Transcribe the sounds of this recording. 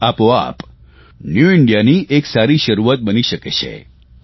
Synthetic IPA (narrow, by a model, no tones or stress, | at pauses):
apoa̰p | njuɪɳɖjaniʔeksaɾiʃəɾuʋat̪̚bəniʃəket͡ʃʰḛ